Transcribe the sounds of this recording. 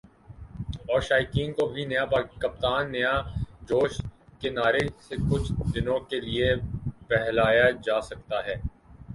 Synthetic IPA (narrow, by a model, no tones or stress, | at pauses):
ɔːɾʃaːɪkĩːŋkobʱinɐjapaːkɐp̚t̪aːnːɐjad͡ʒoːʃkenaːɾesekʊt͡ʃʰd̪ɪnõkeliebɛɦlaːjad͡ʒaːsɐk̚t̪aɦɛː